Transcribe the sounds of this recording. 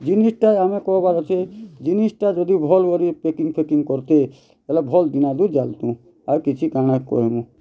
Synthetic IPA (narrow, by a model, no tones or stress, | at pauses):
d͡ʒinisʈajamekɔɦbaɾɔt͡ʃʰed͡ʒinisʈad͡ʒɔd̪ibʱɔlɡɔɾipekiŋɡpʰekiŋɡkɔɾt̪e | elabʱɔld̪inad̪ud͡ʒalt̪ũ | awkit͡ʃʰikaɽ̃akkɔ̰ɦimũ